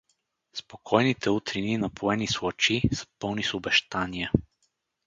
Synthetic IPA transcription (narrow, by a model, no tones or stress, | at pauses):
spokʰɔjnit̪ʰɛut̪ɾininɐpʰoɛniswˠɔt͡ʃisə̥pɤlˠnisʊbɛʃt̪aniɛ